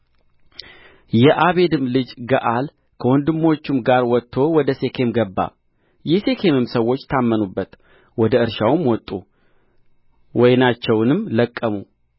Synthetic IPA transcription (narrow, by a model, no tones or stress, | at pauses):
jɛʔaβe̞d̪ɨmlɨd͡ʒɡəʔal | kʰəwɔnd̪ɨmːo̞t͡ʃːɪmɡaɾwɔt̪ʰːo̞wɔd̪əse̞kʰe̞mɡəbːa̰ | jɛse̞kʰe̞mɨmsəwːo̞t͡ʃːt̪ʰamːənubːət̪ | wɔd̪əɨɾʃawmwɔt̪ʼːu | wɔjnat͡ʃːɛwnɨmləkʼːəmu